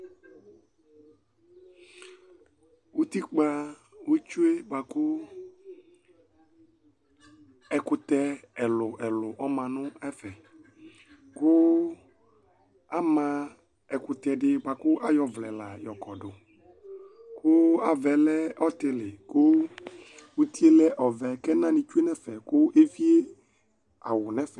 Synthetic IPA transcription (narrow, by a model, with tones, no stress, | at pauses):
wu˦t̪i˦k͡pa˦wo˦t͡ʃu˦e˦ba˨kʊ˦ | ɛ˨kʊ˨t̪ɛ˦ɛ˨lʊ˨ʔɛ˨lʊ˨ʔɔ˦mã˨nʊ̃˦ɛ˦fɛ˨ | kʊ˦ | a˦mã˦ | ɛ˨kʊ˨t̪ɛ˨ɖɪ˦ɡ͡ba˨kʊ˦ʔa˦jɔ˨vlɛ˨la˨jɔ˨kɔ˨ɖʊ˨ | kʊ˦a˨vɛ˨lɛ˦ɔ˦t̪ɪ˨lɪ˨kʊ˦ | wu˦t̪i˦e˦lɛ˦ʔɔ˨vɛ˨kɛ˦nã˦nɪ̃˨t͡ʃu˦e˦nɛ̃˦fɛ˨kʊ˦ʔe˦vi˦e˦ | a˨wʊ˨nɛ̃˦fɛ˨